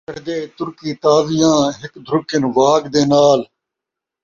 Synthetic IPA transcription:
əɽd̪eːt̪ʊɾkiːt̪aːʋɪjãːɦɪkd̪ʱɾʊkɪnʋaːɡd̪eːnaːl

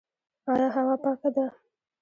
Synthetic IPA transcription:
ɑjɑɦawɑpɑkad̪a

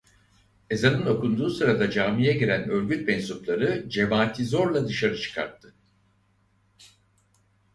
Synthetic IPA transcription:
e̞zanɯno̞kund̪uːsɯɾad̪ad͡ʒaːmijɛɟiɾænø̞ɾʲɟʲyt̪̚mɛnsuplˠaɾɯd͡ʒe̞maːt̪ʰizo̞ɾlˠad̪ɯʃaɾɯt͡ʃʰɯ̥kʰa̰ɾt̪ʰːɯ

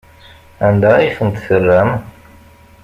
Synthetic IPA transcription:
ænd̪æiθənt̪θərːæm

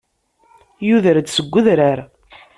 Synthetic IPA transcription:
juðəɾd̪səɡʷːʊðɾaɾ

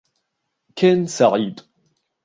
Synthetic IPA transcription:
kʰæːnsaʕiːd̪

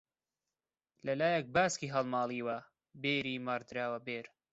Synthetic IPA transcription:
lɐlaːjɐk̚baːskiːɦɐlˠmaːlˠiːwɐ | beːɾiːmaːɾd̪ɾaːwɐbeːɾ

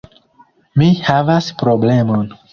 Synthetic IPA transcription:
mihavaspɾoblemon

